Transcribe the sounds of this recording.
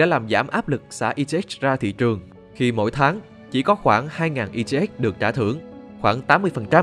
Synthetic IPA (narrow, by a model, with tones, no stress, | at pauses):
ɗa̰˧˥laː˨˩mzaː˧˩mʔaː˦˥p̚lɨ˨˩k̚sa̰ː˧˥˩ʔi˧t͡ɕe˧ɛ˦˥zaː˧t̪ʰḭ˧˨t͡ɕɨ˨˩əŋ | xi˧mo̰˧˥˩jt̪ʰaː˨˦ŋ | t͡ɕi˧˩kɔ˨˦xwaː˧˩ŋhaː˧jŋaː˨˩nʔi˧t͡ɕe˧ʔɛ˦˥ɗɨ˨˩ək̚t͡ɕa̰ː˧˩t̪ʰɨ˧˩əŋxwaː˧˩ŋt̪aː˨˦mːɨ˧əjfə˨˩nt͡ɕa˧m